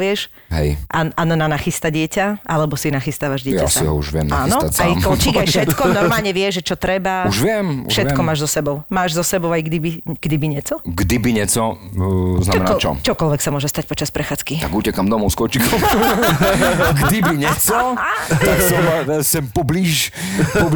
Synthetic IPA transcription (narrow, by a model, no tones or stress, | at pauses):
ʋɪɛʃ | ɦɛ̰jʔaanɔnanaxist̪aɟɪɛcaʔalɛbɔsinaxist̪aːʋaʒɟɪɛasaḭɦɔ̰ṵʒʋɪɛ̰mnaaːnɔat͡sajkɔlt͡ʃiːɡajfʃɛt̪kɔnɔɾmaːlˠɲɛʋɪɛʒʒɛt͡ʃɔt̪ɾɛbauʒʋɪɛmṵfʃɛt̪ɛkɔmaːʒzɔsɛbɔʊmaːʒzɔsɛbɔʊajɡd̪ibiɡ̥d̪ibiɲɛt͡sɔɡd̪ibiɲɛt͡sɔ | znammɛnt͡ʃɔ̰t͡ʃɔkɔlʋɛksamʊɔʒɛst̪ac̚pɔt͡ʃaspɾɛxaːt͡skiaɡucɛkamd̪ɔmɔʊskɔt͡ʃikʰɔm | ɡd̪ibiɲɛt͡sɔt̪aksɔsɛmpɔbliʃ | pɔ